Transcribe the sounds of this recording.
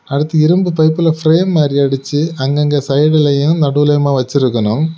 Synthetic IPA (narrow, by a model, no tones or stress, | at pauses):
ɐɽɯt̪ːɐɪɾɯmbɯpɐɪpːɪlɐfɾeːmːaːɾiɐɽɯt͡ʃːɯɐŋɡɐŋɡɐsɐɪɽɪlɐjenɯmnɐɽɯʋɯlɐjɐmaːʋɐt͡ʃːɪɾɯkːɐnʊm